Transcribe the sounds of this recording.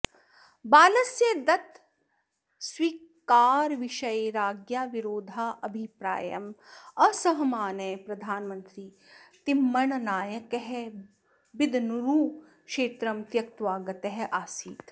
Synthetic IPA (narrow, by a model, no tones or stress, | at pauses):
baːlɐsjed̪ɐt̪ | swiːkaːɾʋiʃɐjɾaːɡjaːʋiɾoːd̪ʱaːʔɐbʱipɾa̰ːjɐ̰mɐsɐɦɐmaːnɐjpɾɐd̪ʱaːnmɐnt̪ɾiː | t̪imːɐɳnaːjɐkeɦe | bid̪ʱnuɾuː | kʃeːt̪ɾɐmt̪jɐk̚t̪ʋaːɡɐt̪ɐɦʔaːsiːt̪